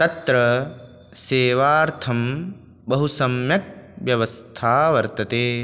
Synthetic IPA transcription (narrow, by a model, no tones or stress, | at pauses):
t̪ɐt̪ɾɐ | seːʋaːɾt̪ʰɐm | bɐɦusɐmjɐk̚ʋjɐʋɐst̪ʰaːʋɐɾt̪ɐt̪eː